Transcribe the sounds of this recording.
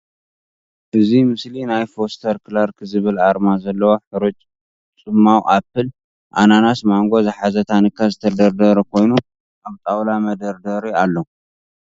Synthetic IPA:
ʔɨzimɨslinajfo̞st̪ʰɐɾkʰɨlaɾkʰɨzɨβɨlaɾmazɐlːɐwoħɨɾut͡ʃʼ | t͡sʼɨmːawʔap̚ʰːɨl | ʔa̰nanasmaŋɡo̞zɨħazɐt̪ʰanɨkʰːazɨt̪ʰɐd̪ɐɾd̪ɐɾɐkʰo̞jnu | ʔaβt̪ʼawlamɐd̪ɐɾd̪ɐɾialːo

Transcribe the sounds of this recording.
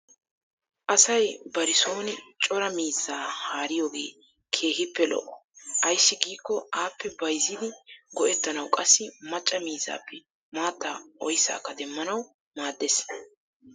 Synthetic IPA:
ʔɐsɐjbɐɾɪso̞ːnɪt͡ʃʼɔɾɐmiːzːaːhaːɾɪjoːɡe̞̰ː | kʰe̞ːhɪpːɛlɔ̰ʔːɔʔɐjsːɪɡiːkːɔaːpːɛbɐjzːɪd̪ɪɡɔʔɛt̪ːɐnɐwkʼɐsːɪmɐt͡ʃʼːɐmiːzːa̰ːpːɛ | maːt̪ːaʔɔjsa̰ːkːɐd̪ɛmːɐnɐw | maːd̪ːes

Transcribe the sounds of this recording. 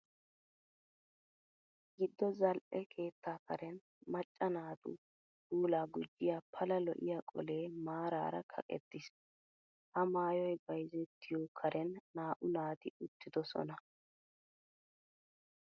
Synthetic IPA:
ɡɪd̪ːɔzɐlʔɛkʰe̞ːt̪ːaːkɐɾɛn | mɐt͡ʃʼːɐnaːt̪ʊ̰ | huːlaːɡʊd͡ʒːɪjaːpʰɐlɐlɔ̰ʔɪ̰jakʼɔ̰le̞ːmaːɾa̰ːɾɐ̰kʰɐ̰kʼɛ̰t̪ːɪs | hɐmaːjɔjbɐjzɛt̪ʰːɪjɔkʰɐɾɛnːaːʔʊnaːt̪ɪʊt̪ːɪd̪ɔsɔ̰nɐ

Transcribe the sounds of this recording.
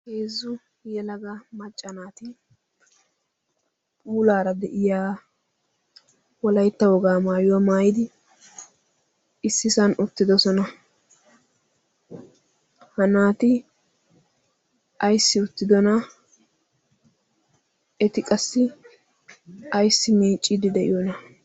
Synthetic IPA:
heːzːʊ | jɛlɐɡɐmɐt͡ʃʼːɐnaːt̪ɪ | pʼuːlaːɾɐd̪ɛʔɪjaː | wɔlɐjt̪ːɐwɔɡaːmaːjʊwɐmaːjɪd̪ɪ | ɪsːɪsɐnʔʊt̪ːɪd̪ɔsɔnɐ | hɐnaːt̪ɪ | ʔɐjsːɪʊt̪ːɪd̪ɔnɐ | ɛt̪ɪkʼɐsːɪ | ɐjsːɪmiːt͡ʃʼːɪd̪ɪd̪ɛʔɪ̰jɔnɐ

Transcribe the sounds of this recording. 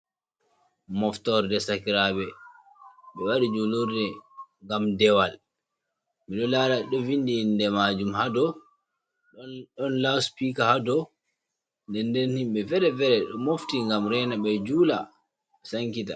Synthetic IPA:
mɔftɔɾdɛsakiɾabɛ | ɓɛwaɾid͡ʒuluɾdɛŋɡamdɛwal | miɗɔlaːlaɗɔvindindɛmaːd͡ʒumhadɔ | ɗɔnlaspikahadɔ | ndɛndɛnhimɓɛfɛɾɛvɛɾɛɗɔmoftiŋɡamɾɛnaɓɛd͡ʒuːla̰ | saŋkita

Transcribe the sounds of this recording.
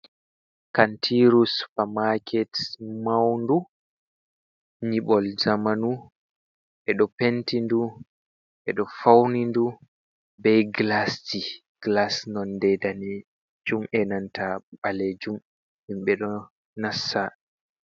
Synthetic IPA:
kantʰiɾusfamakʰɛtmawndu | ɲiɓɔlzamanu | ʔɛɗɔpentindu | ʔɛɗɔfawnindu | bɛjɡlasti | ɡ̥lasnɔndɛdanɛ | d͡ʒumʔɛnantʰaɓaled͡ʒum | himɓɛɗɔ | nasːa

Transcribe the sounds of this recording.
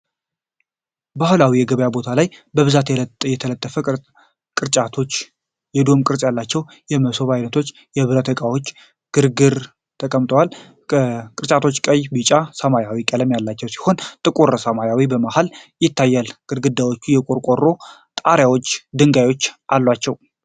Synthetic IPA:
bahulawijɛɡəβjabo̞t̪ʰalajbəβɨzat̪jɛt̪ʰələt̪ʼːəfə | kʼɨɾt͡ʃʼat̪ʰo̞t͡ʃː | jɛd̪o̞mkʼɨɾt͡ʃʼjalːat͡ʃːɛw | jɛməso̞βajnət̪ʰo̞t͡ʃː | jɛβɨɾət̪ʰəkʼawot͡ʃː | ɡ̥ɨɾɡɨɾ | t̪ʰəkʼəmt̪ʰʼowal | kʼɨɾt͡ʃʼat̪ʰo̞t͡ʃːkʼəjbɨt͡ʃʼasəmajawikʼələmjalːat͡ʃːɛwsi̥ho̞nt̪ʼɨkʼuɾsəmajawibəmahaljɪt̪ːajːalkʼɨɾɡɨd̪ːawo̞t͡ʃːujɛkʼoɾkʼo̞rːo̞t̪ʼaɾjawot͡ʃːd̪ɨŋɡajwo̞t͡ʃːʔalːwat͡ʃːɛw

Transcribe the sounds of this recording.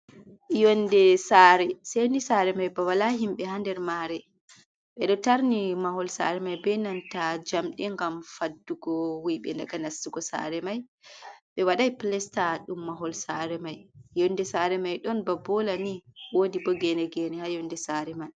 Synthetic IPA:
jɔndɛsaːɾɛsejnisaɾɛmajbawalaɦimɓɛɦandɛɾmaɾɛ | ɓɛɗɔtaɾnimahɔlsa̰ɾɛmajbɛnantad͡ʒamɗɛŋɡamfadːuɡɔwiɓɛ̰ndaɡanasːuɡɔsa̰ɾɛmajɓɛwaɗajplɛstaɗumːaɦɔlsaɾɛmajjɔndɛsaɾɛmajɗɔnbabɔlaniwodibɔɡɛnɛɡɛnɛhajɔndɛsaɾɛmaj

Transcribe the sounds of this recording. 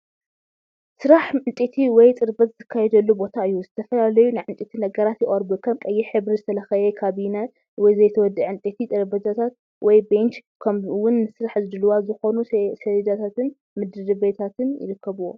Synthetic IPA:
sɨɾaħɨnt̪ʼit̪ʰiwɔjt̪ʼɨɾbɐt̪zɨkʰːajɛd̪ɐlːubo̞t̪ʰaɨjːuzɨt̪ʰɐfɐlalɐjunɨʕɨnt̪ʼit̪ʰinɐɡɐɾat̪jɪχʼɐɾbukʰɐbkʼɐjːiħɨβɾizɨt̪ʰɐlɐxɐjɛkʰaβina | wɔjzɐjt̪ʰɐwɔd̪ɨʕʕɨnt̪ʼet̪ʰit̪ʼɨɾbɐd͡ʒ̪at̪ʰat̪̚ | wɔjbent͡ʃkʰɐmwʊnːɨsɨɾaħzɨd̪ɨlɨwazɨxonusedɐd͡ʒ̪at̪ʰat̪ɨn | mɨd̪ɨɾɨbet̪ʰat̪ʰɨnjɪ̰ɾɨkʰːɐβuwo

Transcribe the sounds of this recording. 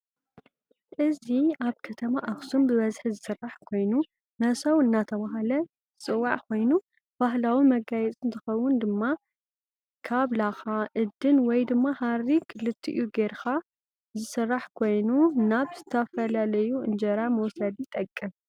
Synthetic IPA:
ʔɨziaβkʰɐt̪ʰɐmaʔaxsumbɨβɐzħizɨsɨrːaħkʰo̞jnu | nɐsɐwɨnːat̪ʰɐβaɦalɐ | ɨt͡sʼɨwːaʕkʰo̞jnu | b̥aɦlawimɐɡajɛt͡sʼɨnt̪ʰɨxɐwːʊnd̪ɨmːa | kʰaβlaxaʔɨd̪ːɨnwɔjd̪ɨmːahaɾikʰɨlɨt̪ʰːḭʔuɡeɾxa | zɨsɨrːaħkʰo̞jnunaβzɨt̪ʰɐfɐlalɐjuɨnd͡ʒɐɾamɐwsɐd̪it̪ʼɐkʼːɨm

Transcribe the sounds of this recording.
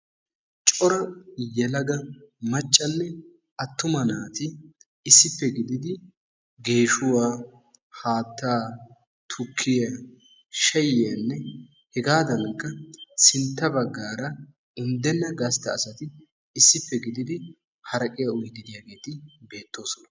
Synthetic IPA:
t͡ʃʼɔɾɐjɛlɐɡɐmɐt͡ʃʼːɐnːɛ | ɐt̪ːʊmɐnaːt̪ɪ | ɪsːɪpːɛɡɪd̪ɪd̪ɪ | ɡe̞ːʃʊwaː | haːt̪ːaː | t̪ʰʊkʰːɪja | ʃɐjɪjɐnːɛ | hɛɡaːd̪ɐnkːɐsɪnt̪ːɐbɐɡːaːɾɐ | ɪnd̪ɛnːɐɡɐst̪ːɐːsɐt̪ɪ | ɪsːɪpːɛɡɪd̪ɪd̪ɪ | hɐɾɐkʼɪjɐʊjɡ̪ɪd̪ɪjaːɡe̞ːt̪ɪbe̞ːt̪ːo̞ːsɔnɐ

